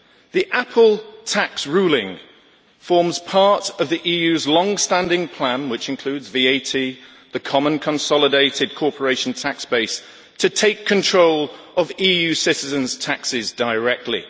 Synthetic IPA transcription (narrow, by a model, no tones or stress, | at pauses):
ðiʔapʰəlˠtʰaksɹuːlɪ̃ŋ | fɔːmz̥pʰɑˑtəvðiʔiːjʉːzlɒ̃ŋstãndɪ̃ŋpʰl̥ãnwɪt͡ʃɪ̃nkʰl̥ʉːdzvieɪtʰi | ðəkʰɒmə̃nkʰə̃nsɒlɪdeɪtɪd̚kʰɔˑpʰəɹeɪʃə̃ntʰaksb̥eɪs | tʰətʰeɪkʰə̃ntʰɹ̥oʊl | əviːjʉːsɪtɪzə̃nz̥tʰaksɪzdəɪɹɛk̚tʰˡlḭ